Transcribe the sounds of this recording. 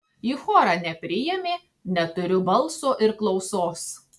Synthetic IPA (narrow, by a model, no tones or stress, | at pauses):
iːxoːɾɑnʲɛpʲɾʲɪjɛmʲeː | nʲɛt̪ʊɾʲʊbɐlˠsoːʔɪɾklˠɒʊsoːs